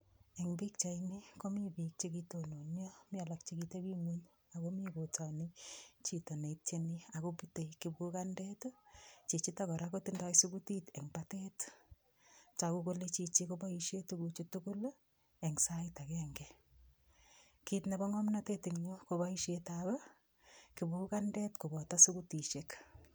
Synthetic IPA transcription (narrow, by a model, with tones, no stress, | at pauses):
ɛ˨ŋbi˦k̚t͡ʃa˨ini˦ko˦mi˦bi˨k̚t͡ʃe˦kito˨no˨ɲo˦mi˦a˨lakt͡ʃikite˦ki˦ŋuɲ | a˨komi˦ko˨tɔ˨nit͡ʃi˨to˨ne˨t͡ʃenia˨ko˦pu˦te˨kɪ˨bku˦ka˦ndetʊ˦t͡ʃe˨t͡ʃi˦takɔ˨ɾako˦ti˦nda˦jsu˦ku˦ti˦tɛ˨ŋbatet | t͡ʃakuko˦le˦t͡ʃi˨t͡ʃikoba˦iʃetukut͡ʃu˦tuku˦l | ɛ˨ŋsaita˨kɛŋɡɛ | kitne˨bɔ˦ŋɔ˦mnate˦tiŋɲokobaiʃetaba˦ | ki˨buku˦ka˦ndɛ˦tko˨bɔ˨ta˦su˦kuti˨ʃek